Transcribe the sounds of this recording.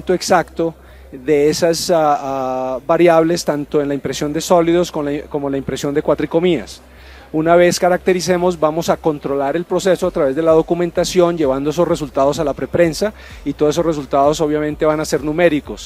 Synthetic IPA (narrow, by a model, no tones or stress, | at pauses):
t̪oeksakt̪o̞ | ðe̞esas | baɾjaβle̞st̪ant̪o̞enlaimpɾesjo̞nd̪e̞so̞liðo̞skokomolaimpɾe̞sjo̞nd̪ekwat̪ɾiko̞mias | unaβe̞skaɾak̚t̪e̞ɾise̞mo̞zbamo̞sako̞nt̪ɾo̞laɾe̞lpɾo̞se̞soat̪ɾaβe̞zd̪e̞lað̞o̞kumẽ̞nt̪asjo̞nd͡ʒe̞β̞and̪oes̬o̞sre̞s̬ult̪að̞o̞salapɾe̞pɾe̞nsa | it̪oeso̞re̞sult̪aðo̞so̞βjamẽnt̪e̞βanase̞ɾnume̞ɾiko̞s